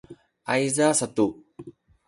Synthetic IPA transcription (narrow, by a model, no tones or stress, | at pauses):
ʔajzasatu